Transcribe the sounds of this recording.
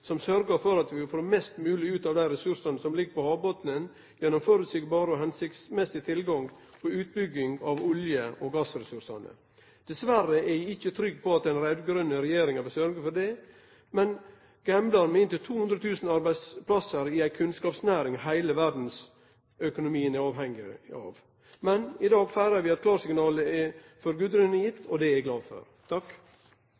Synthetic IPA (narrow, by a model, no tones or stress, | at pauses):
sɔmsœɾɡəɾfɔɾɑt̪ʋɪfɾoːmɛst̪mʉːlɪʉːt̪ɑʋd̪æɪɾɛsʉɾsɑnəsɔmlɪɡːəpɔhɑːbot̪nən | jɛnːɔmføːɾʉt̪sɪɡbɑːɾəɔɦɛnsɪk̪smɛsɪt̪ʰɪlɡɑŋ | pɔʉːt̪̚bʏɡːɪŋɑʋʊljəʔɔɡɑsɾɛsʉɾʂɑ̰nə̰ | d̪̥ɛsʋærːəɛɪçːət̪ʰɾʏɡ̚ːpʰɔɑt̪ɛɪnɾɛd̪ɡɾœnəɾɛjeːɾɪŋɑbəsœɾɡəɾfɔɖɛ | mɛn | ɡ̥ɛmblɑɾmɛɪnt̪ɪlt̪ʰuːʊnd̪ɾət̪ʰʉːsnɑɾbæɪd̪spʰlɑsəɾɪæɪkʰʉnskɑːpsnæːɾɪŋhæɪləʋæɖn̩s | œkʊnʊmiːənɛɾɑːʋɦɛŋːɪɑ̰ːʋ | mɛnɪd̪ɑːɡfæɪɾɑɾʋɪɛt̪kʰlɑːɾsɪŋnɑːləɛ | fɔɾɡʉːd̪ɾʏnəjɪt̪ʰːɔd̪ɛæɡlɑːfɔ̰ɾt̪ʰɑk